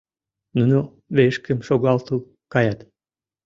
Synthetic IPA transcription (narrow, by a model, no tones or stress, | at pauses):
nuno | βeʃkə̆mʃoɣɑlt̪u | kɑjɑt̪